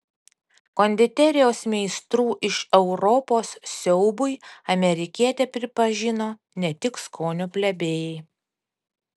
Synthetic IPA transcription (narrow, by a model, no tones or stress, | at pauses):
koːnʲd̪ʲɪt̪ʲɛɾʲɪjoːsmʲɛɪst̪ɾuːʔɪʃɛʊɾɔpoːssʲɛʊbʊɪɐmʲɛɾʲɪkʲiɛt̪ʲepʲɾʲɪpɐʒʲɪnoː | nʲɛt̪ʲɪkskʰoːnʲʊpʲlʲɛbʲeːjɛɪ